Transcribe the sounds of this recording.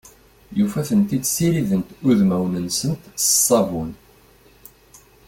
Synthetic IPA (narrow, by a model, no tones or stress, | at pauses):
jufæθənt̪id̪siɾiðənt̪ʊðmæwnənsənt̪sə̥sˤːɑvun